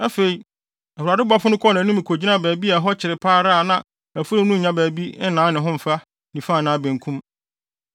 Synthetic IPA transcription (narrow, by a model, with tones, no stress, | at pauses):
a˦fe˨i˨ | æ˨hu˨ɾaː˨dɪ˦bʊ˨˦a˦fʊ˦nʊ̃˦kʰɔ˦nã˨˦nʊ̃˦mĩ˨kʰo˨d͡ʑi˦nã˦˨bæː˨bi˦a˨˦ɦɔ˦t͡ɕʰɪ˨ɾɪ˨pʰaː˦ɾa˦˨nã˨ | æ˨fu˦ɪ̃˦nũ˦ɲ̩˨ɲã˦bæː˨bi˦nãː˨˦nɪ̃˨ɦʊ̃˦m̩˨fa˦ | nĩ˨fa˦˨nã˨˦˨bæ̃˨ŋkʰũ˦m